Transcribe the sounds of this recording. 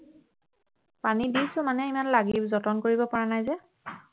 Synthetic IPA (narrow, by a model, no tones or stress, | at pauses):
panidisʊ̃manɛimanlaɡibzɔtɔnkoɹibɔpɔɹanajzɛ